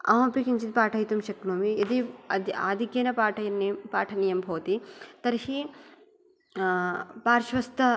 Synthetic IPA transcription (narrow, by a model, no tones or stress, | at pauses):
a̰ːɐpikiɲt͡ʃit̪̚paːʈʰɐjt̪umʃɐknoːmiɐd̪id̪a̰ːd̪ʱikjeːnɐpaːʈʰɐnpaːʈʰɐnijɐmbʱɐːt̪it̪ɐɾhi | paːɾʃʋɐst̪ʰɐ